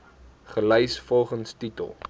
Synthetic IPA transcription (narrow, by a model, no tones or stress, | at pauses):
χəlɛjsfɔlˠχənstitə̰lˠ